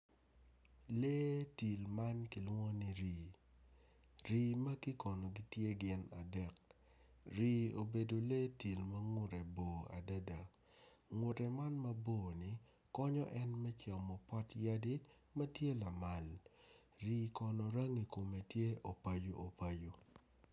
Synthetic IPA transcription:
le˦ti˨lma˦nki˨lwɔ˦ni˨ɾiː˨ | ɾiː˨mɐ˦ki˦kɔ˨nɔ˨ɡi˦tje˦ɡɪ˨na˨dɛ˨k̚ | ɾiː˨o˨be˨do˨leː˦ti˨lmɐ˦ŋʊ˦ɾɛ˨boː˨a̰˨da˦da˨ | ŋʊ˨ɾɛ˨ma˦nmɐ˦boː˦˨nɪ˨˦ | kɔ˦ɲɔ˦ʔɛ˦nmɛ˦t͡ʃa˨mɔ˨pɔ˦tja˦di˦ | mɐ˦tje˦la˨ma˨l | ɾi˨kɔ˨nɔ˨ɾa˦ŋi˨ko˨me˨tje˦ʔo˨pa˦jo˦ʔo˨pa˦jo˦

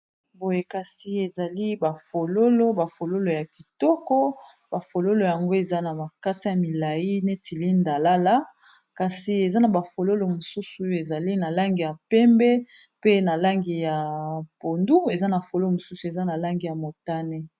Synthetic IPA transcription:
bo˨je˨ka˨si˨e˨za˨li˦ba˨fo˨lo˦lo˦ba˨fo˨lo˦lo˨ja˨ki˨tɔ˦kɔ˦ | ba˨fo˨lo˦lo˨ja˨ŋɡo˦e˨za˦na˨ma˨ka˦si˦ja˨mi˨la˨ji˦ne˦ti˨li˦nda˨la˦la˦ | ka˨si˨e˨za˦na˨ba˨fo˨lo˦lo˨mo˨su˦su˨e˨za˨li˦na˨la˦ŋɡi˨ja˨pɛ˦mbɛ˦ | pe˦na˨la˦ŋɡi˨ja˨po˨ndu˦e˨za˦na˨fo˨lo˦mo˨su˦su˨e˨za˦na˨la˦ŋɡi˨ja˨mo˨ta˦ne˦

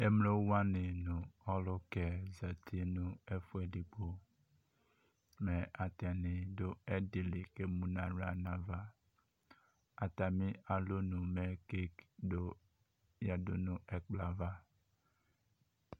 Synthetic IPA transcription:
e˦m˦lo˦wa˦nɪ˨nʊ̃˨ɔ˦lʊ˦kɛ˨za˨tʰi˦nʊ̃˦ɛ˦fʊ˦ɛ˨dɪ˨ɡ͡bo˨ | mɛ˨ʔa˨ta˨nɪ˨dʊ˦ɛ˦dɪ˨lɪ˨ke˦mũ˨na˨ɾa˨nã˨va˦ | a˨ta˨mɪ̃˦a˨lo˦nʊ˨mɛ˨ke˦kdo˦ | ja˨dʊ̰˦nʊ̃˨ʔɛ˨k͡pla˨va˦

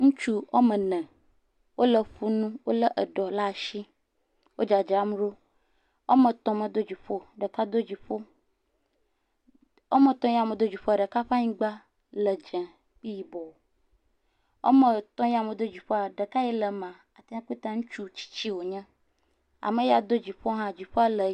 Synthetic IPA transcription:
ŋũ˦t͡ʃu˦o˦mə̃˨nɛ̃˨ | wo˦lə˨ɸu˦nũ˦wo˦lə˦ʔə˨ɖɔ˨la˦˨ʃi˦ | wo˦d͡ʒa˨d͡ʒa˨˦m˦ɖo˦ | wo̰˦mə̃˨t̪ɔ̃˨mə̃˨d̪o˦d͡ʑi˨ɸo˦ɖə˨ka˦d̪o˦d͡ʑi˨ɸo˦ | o˦mə̃˨t̪ɔ̃˦ji˦a˨mə̃˨d̪o˦d͡ʑi˨ɸo˦a˨ɖə˨ka˦ɸa˦ɲĩ˦ɡ͡ba˦ | lə˨d͡ʒɛ̃˨ | k͡pi˦ji˨bɔ˨wo˨ | wo̰˦mə̃˨t̪ɔ̃˦ja˨mə̃˨d̪o˦d͡ʑi˨ɸo˦a˨ɖə˨ka˦ji˦lə˨mã˨ | a˨t̪a˦ã˦ku˦t̪a˦ŋũ˦t͡ʃu˦˨t͡ɕi̥˦t͡ɕi˦wo˨ɲɛ̃˦ | a̰˨mə˨ja˨d̪o˦d͡ʑi˨ɸo˦ɦã˦d͡ʑi˨ɸo˦a˦lə˨

